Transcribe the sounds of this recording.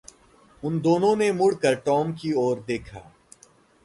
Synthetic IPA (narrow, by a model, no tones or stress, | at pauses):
ʊnd̪oːnõnemʊɽkəɾʈɔːmkiɔːɾd̪eːkʰa̰ː